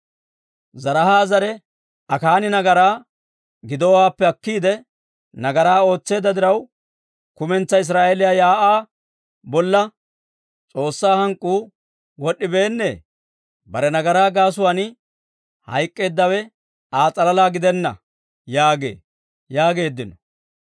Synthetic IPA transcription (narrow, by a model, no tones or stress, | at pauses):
zɐɾɐhaːzɐɾɛ | ɐkaːnɪnɐɡɐɾaː | ɡɪd̪ɔwaːpːɛɐkːiːd̪ɛ | nɐɡɐɾaːo̞ːt͡sːe̞ːd̪ːɐd̪ɪɾɐw | kʊmɛnt͡sːɐɪs̬ɾaːʔelɪjaːjaːʔaː | bɔlːɐ | t͡sʼo̞ːsːaːhɐŋkʼːuː | wɔɗːɪbe̞ːnːḛː | bɐɾɛnɐɡɐɾaːɡaːs̬ʊwanɪ | hɐ̰jkʼːe̞ːd̪ːɐwɛ | aːt͡sʼɐlɐlaːɡɪd̪ɛnːɐ̰ | jaːɡe̞̰ː | jaːɡe̞ːd̪ːɪnɔ